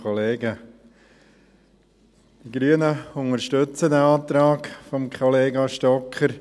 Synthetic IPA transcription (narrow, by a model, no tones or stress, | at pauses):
ɔleːɡə | d̥iɡ̥ɾyənəʊŋəɾʃtʏt͡sədɛɑːt̪ɾaːkfɔmkʰχɔleːɡɑʃtɔkʰəɾ